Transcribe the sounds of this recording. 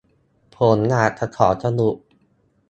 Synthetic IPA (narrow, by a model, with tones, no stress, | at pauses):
pʰoː˨˦nːaː˧˩t̪ʰa˧kʰɔː˩˦t̪ʰa˧nu˧˩ʔ